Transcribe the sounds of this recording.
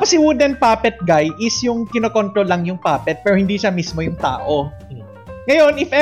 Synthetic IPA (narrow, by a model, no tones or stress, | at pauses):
posɪwud̪ɛn̚paːpɛt̪̚ɡajʔɪsjʊŋkɪnoːkont̪ɾolːɐŋjʊŋpaːpɛt̪̚pɛːɾohɪnd̪iːʃamismo̞jʊŋt̪a̰ːʔo̞ | ŋɐjo̞nɪfʔɛ